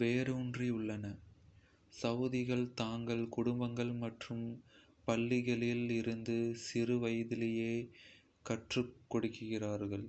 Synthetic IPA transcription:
ʋeːɾɯʊndriʊɭːɐnɐ | sɐʋðɪɣɐɭt̪aːŋɡɐɭkʊɽʊmbɐŋɡɐɭmɐʈrɯm | pɐɭːɪɣɐɭɪlɪɾɯnd̪ɯsɪrɯʋɐjɐðɪlɐjeː | kɐʈrɯkːɔɽɯkːɯɣɪraːɾɣɐɭ

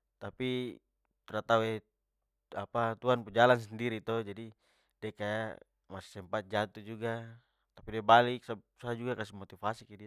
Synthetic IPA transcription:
t̪api | t̪ɾat̪auɛ | apat̪uanpud͡ʒalans̬ɛndiɾit̪ɔd͡ʒadi | dɛkaja̰ | masi̥sɛmpat̪̚d͡ʒat̪ud͡ʒuɡa | t̪apidiabalik̚sasad͡ʒuɡakas̬imɔt̪ifasikɛdi

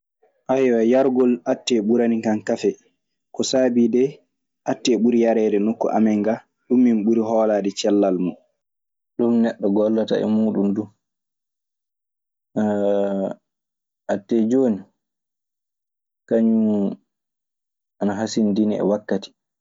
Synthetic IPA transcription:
ʔajwajaɾɡɔlatːɛɓuɾanikankafɛ | kɔsaːbiːdɛ | ʔatːɛɓuɾijaɾɛːdɛnokːṵʔa̰mɛŋɡa | ɗumːinɓuɾiɦɔːlaːdɛt͡ʃɛlːalmu | ɗumnɛɗːɔɡɔlːata̰ɛ̰muːɗumdu | ʔatːɛd͡ʒoːni | kaɲu | ʔanaɦasindiniɛ̰wakːati̥

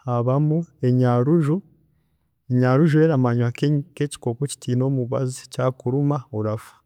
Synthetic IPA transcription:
aβamue̞ɲaɾuʒu | eɲaɾuʒueɾamaɲwakeɲkeci̥koːkoci̥tiːno̞ːmuβa̰zicakuɾumaoɾafḁ

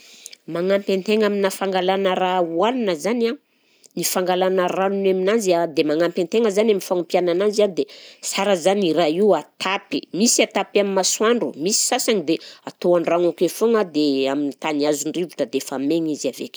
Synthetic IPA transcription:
maŋampant̪eŋaminafaŋɡalanərauannəzana | nifaŋɡalanəranunaminanzad̪emaŋampant̪eŋəzanaminfaŋumpjananaziand̪esaɾəzaniraiwat̪ʰapimisiat̪apaminmaswaɳɖ͡ʐumisi̥sasaŋid̪eat̪oanraŋakefoŋad̪eaminit̪aniazuɳɖ͡ʐivuʈ͡ʂəd̪efameɲizavekʲi̥

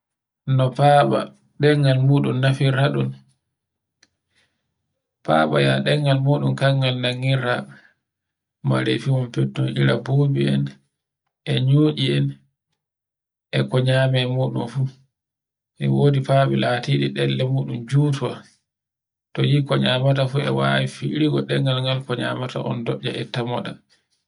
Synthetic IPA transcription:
nɔpaɓa̰ | ɗɛŋːalmuːɗunːafiɾaɗun | pa̰ːɓa̰jaɗɛŋɡalmuːɗunkaŋɡalnaŋːiɾa | ma̰ɾefimɔmpɛtːɔnʔiɾa̰bobiɛn | ʔɛɲoːʔiɛn | ʔɛkɔɲaːmɛmuːɗumfu | ʔɛwoːdipaɓɛlaːtiːɗiɗɛlːɛmuːɗumd͡ʒuːtuwa | tɔjikɔɲaːmatafuɛwawifiɾiɡɔɗɛŋɡalŋɡalkɔɲa̰ːmata̰ʔɔ̰ndɔɗːa̰ʔɛtamɔɗa

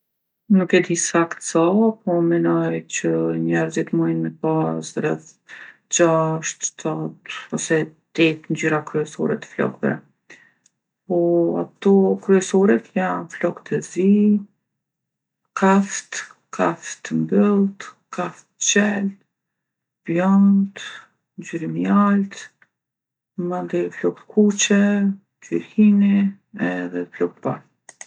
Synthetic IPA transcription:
nukɛd̪isakt̪sɔpɔmɛnɔjt͡ɕəɲɛɾzɛt̪mujnmɛpasɾɛθ | d͡ʒaʃt̪t̪at̪ɔsɛd̪̥ɛt̪nd͡ʑyɾakɾyɛsɔɾɛt̪ə̥flɔ̰kt̪ɾɛ̰ | pɔa̰t̪ɔkɾyɛsɔɾɛt̪janflɔkt̪ɛzi | kʰaft̪ | kʰaft̪mbəlˠt̪ | kʰaft̪t͡ɕɛl | bjɔnt̪ | nd͡ʑyɾimjalt̪ | mand̪ɛflɔk̚t̪kʰut͡ɕɛ | d͡ʒyɾhini | ɛðɛflɔkt̪̚paɾ

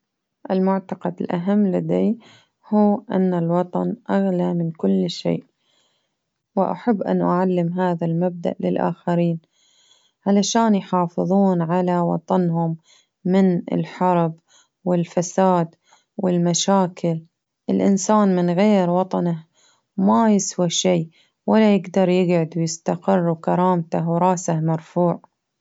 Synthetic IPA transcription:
ʔɪlmʊʕt̪ɑqɑd̪ɪlʔaɦamːlad̪ej | huːʔa̰nːalwɑt̪ˤɑnʔaɣlamɪnkʊlːʃḛːʔ | wɪʔa̰ħabːʔa̰nʔaʕalːɪmɦaːðalmab̚d̪a̰ʔlɪ̰lʔa̰ːxaɾiːn | ʕalaʃaːnjħɑːfɨðˤuːnʕalawɑ̰t̪ˤɑnɦʊmː | ɪnɪ̰lħɑɾˤb | wɪlfasaːd̪ | wɪlmaʃaːkʰɪl | ʔɪlʔɪ̰nsaːnmɪnɣeːɾwɑt̪ˤɑnah | majɪswaʃiː | walːajɪɡd̪ɑɾˤjɪɡʕʊd̪wjɪst̪aqɪrˤːukɑɾˤɑːmt̪ahwɾˤɑːsahmɑɾˤfuːʕ

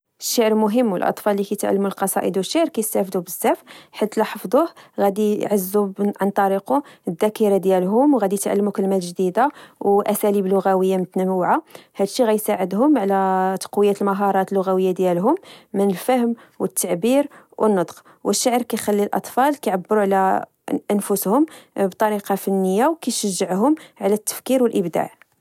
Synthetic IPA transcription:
əʃːaʕɾmʊɦəmːwəlʔɑ̰t̪ˤfɑlːikæjt̪ʕa̰lːmulqɑsˤɑ̰ʔəd̪wəʃːaʕɾkæjəst̪æfd̪ubəzːæfħit̪lɑħəfd̪ˤuhɣæd̪iʕəzːuʕant̪ˤɑɾiquəd̪ːækiɾad̪jælɦʊmwɣæd̪ijt̪ʕa̰lːmukəlːmæt̪ʒd̪id̪awʔæsæliblʊɣæwəjːamʊt̪nəmuʕahæd̪ʃːiɣæjsaʕəd̪ɦʊmʕlæt̪ɑ̥qwəjːæt̪əlmɑɦɑɾˤɑt̪əlːʊɣæwəjːad̪jælɦʊmːənəlfəhəm | wət̪ːaʕbiɾ | wʔənːəd̪ˤq | wʔəʃːaʕəɾkæjxælːilʔɑ̰t̪ˤfɑlkæjʕabːəɾuʕlæ | ʔənfʊshʊmbt̪ˤɑɾiqɑfənːəjːawkæj̪ʃəʒːəʕɦʊmʕlæt̪ːə̥fkiɾwəlʔəbd̪a̰ʕ

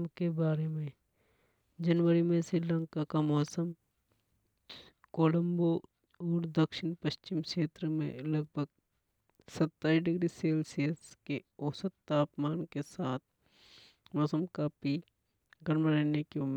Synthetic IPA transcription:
mkebaːɾemẽ | d͡ʒɐnwəɾimẽsɪlə̃ŋkakamɔːsəm | koːlə̃mbo | ɔːɾd̪əkʃɪnpəʃt͡ʃɪmkeːt̪ɾəmḛ̃ləɡ̚bʱəɡ | sət̪ːaːiɖɪɡɾiseːlsiəskeɔːsət̪ːaːpmaːnkesaːt̪̚ʰ | mɔːsəmkaːpi | ɡʱəɾməɾɛːnekem

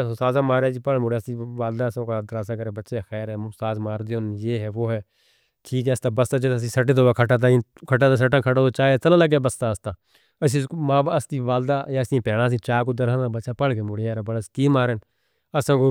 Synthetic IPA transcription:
saːzãːmaːɾeːd͡ʒiːpəɽmʊɽːst̪iːʋaːld̪aːəsãːkad̪əɾaːs̬aːkəɾeːbətːʃeːxɛːɾɦɛːt̪aːzmaːɾd̪eʊnjeːɦɛːʋoːɦɛː | ʈʰiːkɦɛːəst̪aːbəst̪aːd͡ʒəs̬ĩːsəʈ̬eːt̪oːaːkʰəʈaːt̪̬aːkʰəʈaːt̪aːs̬əʈãːkʰəʈaːt̪oːt͡ʃaːt͡səlãːləɡjaːbəst̪aːəst̪aː | əsĩːmaːbəst̪iːʋaːld̪aːaːsĩːpɛːɽaːsĩːt͡ʃaːkod̪əɾanabəːʃaːpəɽkemʊɽjaːɾaːbəɽəskiːmaːɾen | əsãːkoː

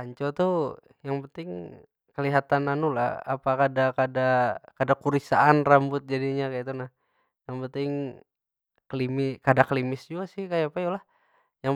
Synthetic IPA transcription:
aɲt͡ʃot̪u | jaŋpənt̪ɪŋ | kəliɦat̪ananula̰ha̰pakadakadakadakuɾisaanrambʊt̪̚d͡ʒadiɲakait̪unah | jaŋpənt̪ɪŋ | klimɪkadakəlimɪsd͡ʒuɡasɪhkajapajulah | ja

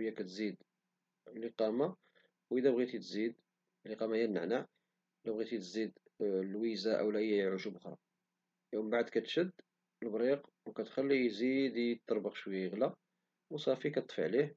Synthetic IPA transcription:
jːækæt̪zid̪ | liqɑma | wʔəd̪æbɣit̪it̪zid̪ | liqɑmæjænnːəʕnaʕ | læbɣit̪it̪zid̪ | lwizaʔə̰wlæʔəjːæjʕuʒubʊxɾˤɑ̰ | jumbaʕd̪kæt̪ʃəd̪ː | əlbɾiq | wkæt̪xælːijzid̪it̪ːəɾˤbɑqʃwəjːajəɣlæ | wsˤɑfikæt̪ət̪ˤfə̰ʕlih

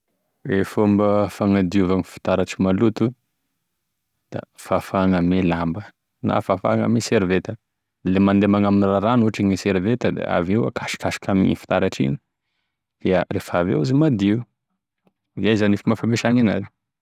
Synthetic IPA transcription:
ɾefombəfaŋad̪iuvaŋifi̥t̪aɾaʈ͡ʂimalut̪u | d̪̥a̰fafaŋamelambə | na̰fafa̰ŋə̰meseɾivet̪ə | lemand̪emaŋaminiraɾanuaʈ͡ʂiɲiseɾivet̪əd̪ḛa̰vewa̰kʰḁʃi̥kaʃi̥kʰamiɲḭfi̥t̪aɾaʈ͡ʂḭɲi̥ | d̪̥earefavḛuzimad̪i | izajzanifimafameʃaŋina̰ni̥

